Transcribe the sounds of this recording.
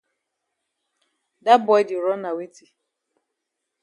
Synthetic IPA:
da˦bɔ˨˦dɪ˨ɾɔ˦na˨we˦ti˦

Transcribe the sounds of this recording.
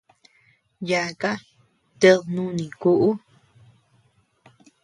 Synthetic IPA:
ja˧˨ka˦ | t̪e˧ðnũ˦nĩ˨ku˧ʔu˦

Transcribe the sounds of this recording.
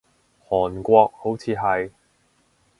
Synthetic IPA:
hɔː˨˩nkʷɔː˧k̚ho˨˥wt͡sʰiː˨˧ɦɐ˨j

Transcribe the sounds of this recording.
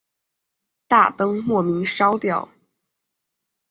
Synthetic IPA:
t̪a˥˩t̪ɤ˥ŋmwɔ˥˩mi˧˥ŋʂɑ˥ʊt̪jɑ˥˩ʊ

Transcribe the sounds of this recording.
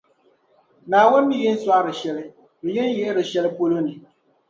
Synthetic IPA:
naː˨wʊ˦nːɨ˨jɛ˦n̩˦swa˦ɾɨ˨ʃɛ˨lɪ˦ | bɛ˨jɛ˦n˦jɛ˦ʔɾɨ˨ʃɛ˦lɪ˦po˦lo˦nɨ˨

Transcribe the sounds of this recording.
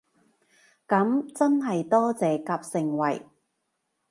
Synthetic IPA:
kɐ˨˥mt͡sɐ˥nɦɐ˨jt̪ɔː˥t͡sɛː˨kaː˧p̚sɪ˨˧ŋwɐ̰˨j

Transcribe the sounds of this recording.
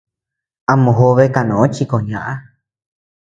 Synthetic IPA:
a˧mõ˨ɦo˧βe˦˧ka˧˨nõ˨õ˦t͡ʃi˧ko˨ɲã˧ʔa˦

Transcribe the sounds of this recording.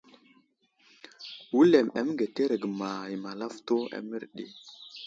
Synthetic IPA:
wu˦le˨ma̰˨m˦ŋɡe˨te˦ɾə˨ɡma˨ji˨ma˨la˦fto˦a̰˨mə˦ɾɗḛ˨

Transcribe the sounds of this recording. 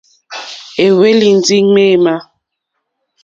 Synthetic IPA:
e˨we˦li˨n˨d͡zi˦ŋme˦˨ma˦

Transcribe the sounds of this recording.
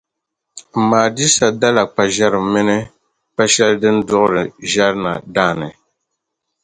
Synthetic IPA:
m̩˨maː˨di˦sa˨da˦la˨k͡pa˨ʒɛ˦ɾɨ˨mɪ˦nɨ˦ | k͡pa˦ʃɛ˦ldɨ˦n˦dʊ˦ʔʊ˦ɾɨ˨ʒa˦ɾna̰˨daː˦˨nɨ˨

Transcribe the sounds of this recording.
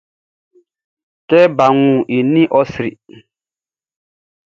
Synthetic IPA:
tɛ˦ba˨ŋũ˨ʔi˨nĩ˦ʔɔ˦sɾḭ˨

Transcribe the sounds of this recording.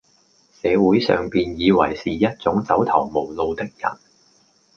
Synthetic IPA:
sɛː˨˧wuː˨˥jsœ̰ː˨ŋpiː˨njiː˨˧wɐ˨˩jsiː˨jɐ˥t̚t͡sʊ˨˥ŋt͡sɐ˨˥wt̪ʰɐ˨˩wmo˨˩wlo˧wt̪ɪ˥k̚jɐ̰˨˩n

